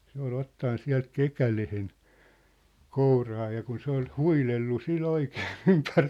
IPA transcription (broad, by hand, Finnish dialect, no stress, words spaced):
se ol otːɑn siæ̝lt kekælehen kourɑː jɑ kun se ol huilelːu sil oikeː ympær